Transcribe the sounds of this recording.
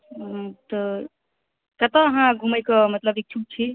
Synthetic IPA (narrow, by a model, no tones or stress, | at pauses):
t̪ə | kət̪əːɦãɡʱuməjkəmət̪ləbik̚t͡ʃʰuk̚t͡ʃʰi